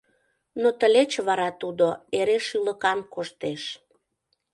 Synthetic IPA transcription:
not̪əlʲet͡ɕβɑɾɑt̪ud̪oeɾeʃyləkɑmkoʃt̪eʃ

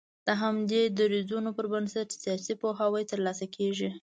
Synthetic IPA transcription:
d̪̥əɦamd̪ed̪əɾizunopəɾbənsatsijɑsipoɦawəjt̪əɾlɑsakʰeʒi

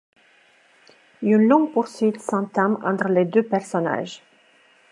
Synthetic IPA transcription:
ynlɔ̃ŋɡ̚puʁsɥit̪sɑ̃t̪ãmɑ̰̃t̪χəled̪øpɛʁsɔna̰ːʒ

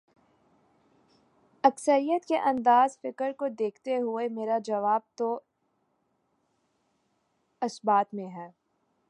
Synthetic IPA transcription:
ɐksəɾijət̪keʔɐ̃nd̪aːzfɪkəɾkod̪eːkʰt̪eɦʊemeːɾad͡ʒɐʋaːb̚t̪o | ɐsbaːt̪mẽɦɛː

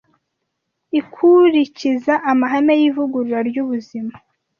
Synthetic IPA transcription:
ikʰuɾicizaʔːmaɦamejivuɡuɾuɾaɾjuβuzima

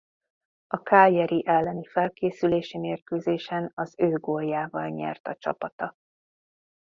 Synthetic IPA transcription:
ɒkaːjɛɾiʔɛlːɛnifɛlkeːsyleːʃimeːrkøːzeːʃɛnɒzøːɡoljːaːvɒlɲɛ̰rt̪ɒt͡ʃɒ̰pɒt̪ɒ

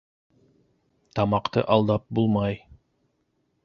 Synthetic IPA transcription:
t̪ɑmɑqt̪ɤ̰ʔɑlˠd̪ɑp̚bulˠmɑj

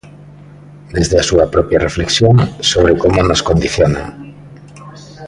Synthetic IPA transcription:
d̪ezðeasuɐpɾɔpjarefleksjoŋsoβ̞ɾekomonoskond̪iθjona̰

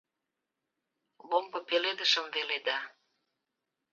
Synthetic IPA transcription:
lombə̆peled̪əʃə̆mveled̪ɑ

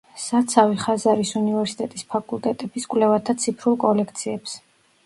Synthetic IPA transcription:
sat̪sʰaviχazaɾisunivɛɾsi̥t̪ʼɛt̪ʼispʰakʼulˠt̪ʼɛt̪ʼɛbiskʼlɛvat̪ʰat̪sʰipʰɾulˠkʼɔlɛkʰt̪sʰiɛps

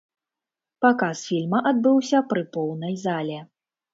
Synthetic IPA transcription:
pakasfʲilʲmɐʔad̪̚bɨwsʲɐpɾɨpɔwnɐjzalʲɛ

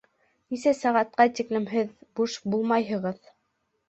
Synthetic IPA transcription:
nisæsæʁɑt̪̚qɑt̪iklɘ̆mɦɘðbuʃbulˠmɑjɦɤ̆ʁɤð

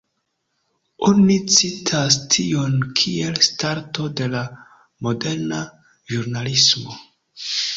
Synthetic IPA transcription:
onit͡sitʰastʰio̞nkʰielstaɾto̞de̞la | mo̞de̞ɾna | ʒuɾnalismo̞

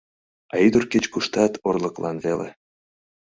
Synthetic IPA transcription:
ɑid̪urket͡ɕkuʃt̪ɑt̪ʰorlɤklʔɑ̰nvelḛ

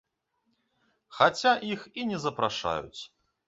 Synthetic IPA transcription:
xat͡sʲaʔixinʲɛzɐpɾaʂa̰jṵt͡sʲ

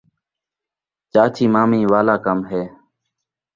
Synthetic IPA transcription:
t͡ʃaːt͡ʃʰiːmaːmiːʋaːlaːkəmɦeː

